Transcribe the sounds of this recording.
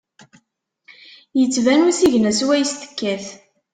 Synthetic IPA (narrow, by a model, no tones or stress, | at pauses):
jət͡sːvænusiʝnæswæjst̪ə̥kːæθ